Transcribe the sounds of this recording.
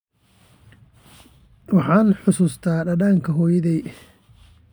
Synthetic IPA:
wɑħɑːnħʊsuːst̪ʰaːɖɐɽaːŋkʰɐɦɔːjɐðɛj

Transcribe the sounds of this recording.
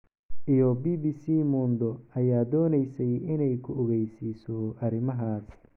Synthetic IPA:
ʔijɔbiːbiːsiːmuːnd̪ɔʔɐjaːd̪ɔːnɛjsɛjʔɪnɛjkʰʊɔɣɛjsiːsɔʔɐɾɪmɐɦaːs

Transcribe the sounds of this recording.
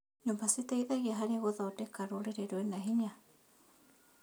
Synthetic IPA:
ɲombasit̪eiðaɣiaɦaɾeɣoðaodekaɾoɾeɾeɾoenaɦiɲa

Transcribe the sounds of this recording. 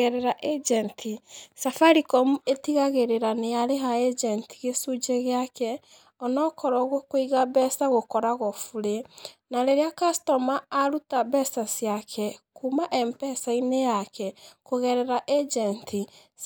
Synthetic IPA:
ɛɾɛɾaʔɛd͡ʒɛntʰisafaɾikɔmuetiɣaɣeɾeɾanejaɾeɦaɛd͡ʒɛnti̥ɣesud͡ʒeɣeakɛ | ɔnɔkɔɾɔɣokoiɣaβɛsaɣokɔɾaɣɔfuɾenaɾeɾeakastɔmaːɾutaβɛsasjakʰɛkumaʔɛmpɛsainejakɛkoɣɛɾɛɾaʔɛd͡ʒɛntʰi

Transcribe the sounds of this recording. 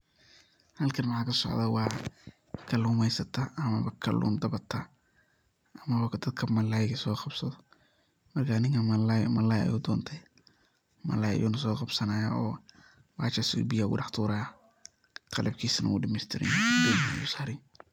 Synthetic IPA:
hɐlkʰɐnmɑħɑːkʰɐsɔ̰ʕðɐwɑː | kʰɐluːmɛjsɐt̪ʰɐɐmɐβɐkʰɐ̰lʔṵːmd̪ɐβɐt̪ʰɐ | ʔɐmɐwɑkʰɐd̪ɐd̪̚kʰɐmɐlaːjɣɐsɔːqɑb̥sɐðɔ | mɐrkʰanɪŋkʰɐmɐljmɐlaːjɐ̰juːd̪ɔːnt̪ʰɛ | mɐ̰laːjɐ̰jṵːnɐsɔːqɑb̥sɐnaːjaɔː | wa̰ːt͡ʃɐsṵːbɪjaɣʊ̰ɖɑħt̪ʰuːɾɐa | qʰɑlʔɐb̚kʰiːsɐnʔɐ̰ʊ̰ɖɪmɛst̪ʰɪɾɪ̰njiːjɐnʊsaːɾɪn

